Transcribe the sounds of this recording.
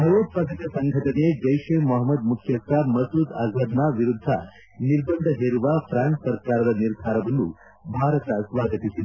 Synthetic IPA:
bʱɐɾoːt̪pɐɡɐt̪jɐsɐŋɡʱɐʈɐned͡ʒɐjʂemɐɦɐmːɐd̪̚mukʰjɐsamɐsud̪a̰ːzʋɐd̪naʋiɾud̪ʱːa̰ | niɾbɐnd̪ʱɐɦeːɾuʋafɾanssɐɾkaːɾɐd̪ɐniɾd̪ʱaːɾɐʋɐnːṵ | bʱaːɾɐt̪asʋaːɡɐt̪isi

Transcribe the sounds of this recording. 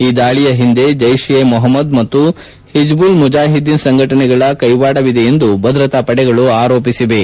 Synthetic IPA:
iːd̪aːɭijɐɦind̪e̞d͡ʒɐjʂjemɔɦɐmːɐd̪mɐt̪ːu | hid͡ʒbulmud͡ʒaːɦid̪insɐŋɡʱɐʈɐnɛɡɐɭɐkɐjʋaːɽɐʋid̪ɛje̞nd̪ubɐd̪ɾɐt̪ɐpɐɽɛɡɐɭuaːɾoːpisiʋe̞

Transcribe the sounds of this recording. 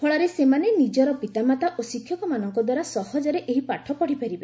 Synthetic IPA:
pʰɔɭaɾesemanenid͡ʒɔɾɔpit̪amat̪aʔosikʰːjɔkɔmanɔŋkɔd̪waɾasɔhɔd͡ʒɔɾeʔeɦipaʈʰɔpɔɽipʰaɾibe

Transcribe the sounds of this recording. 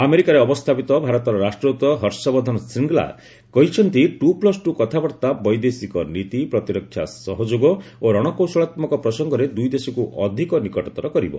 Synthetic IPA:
ameɾikaɾeɔpɔst̪ʰapit̪ɔbʱaɾɔt̪ɔɾɔɾasʈɾut̪ɔɦɔɾsɔbɔd̪ʱɔnɔsɾiŋɡla̰ | kɔɦit͡ʃʰɔnt̪iʈuplɔsʈukɔt̪ʰabɔɾt̪abɔjd̪esikɔnit̪ipɾɔt̪iɾɔkʰːja̰sɔɦɔd͡ʒoɡɔoɾɔɽ̃ɔkowsɔɭat̪mɔkɔpɾɔsɔŋɡɔɾed̪ujd̪esɔkuʔɔd̪ʱikɔnikɔʈɔt̪ɔɾɔkɔɾibɔ̰

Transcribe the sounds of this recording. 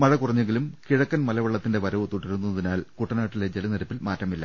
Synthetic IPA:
mɐɻɐkurɐɲːeŋɡilumkiɻɐkːɐnmɐlɐʋɐɭːɐt̪ːinde̞ʋɐɾɐʋɐt̪oʈːiɾunːunːɐðinaːlkuʈːɐnaːʈːiled͡ʑelɐnɐɾɐpːilmaːtrɐmilːɐ̰

